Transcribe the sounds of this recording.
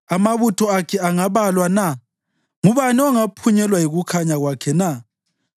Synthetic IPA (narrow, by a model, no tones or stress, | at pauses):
amaβutʰɔakʰɛaŋaβalwana | ŋuβaniɔŋapʰuɲɛlwajiɣukʰaɲaɣwakʰɛna